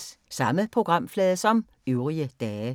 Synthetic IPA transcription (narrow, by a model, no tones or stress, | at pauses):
ssɑ̈məpʰʁoɡ̥ʁɑ̈m̰flɛːðˠsɒ̽m | øʊʁiəd̥ɛː